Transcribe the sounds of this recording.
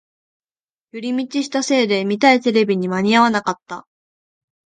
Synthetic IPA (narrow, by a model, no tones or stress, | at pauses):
jɯɾʲimʲit͡ɕiɕi̥t̪ase̞ːd̪e̞mʲit̪ait̪e̞ɾe̞bʲiɲ̟imaɲ̟iaβ̞anakat̪ːa